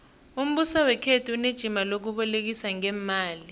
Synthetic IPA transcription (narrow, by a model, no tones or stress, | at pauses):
um̩ɓusawɛkʰetʰuuned̥ʒ̥ʱimalok̬uɓɔlek̬isaŋɛmaːli